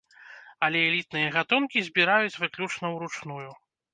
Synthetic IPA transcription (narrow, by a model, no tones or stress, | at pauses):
ɐlʲɛɛlʲit̪̚nɨjɐɣat̪unkʲizʲbʲiɾajut͡sʲvɨklʲut͡ʂnɐwɾut͡ʂnuju